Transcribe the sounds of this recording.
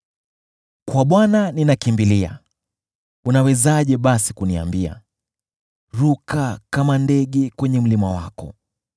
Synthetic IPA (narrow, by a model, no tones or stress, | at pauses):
kwaɓwananinakimbilia̰ | unawɛzaʄɛɓasikunia̰mbia̰ | ɾukakamandɛɠɛkwɛɲɛm̩limawakɔ̰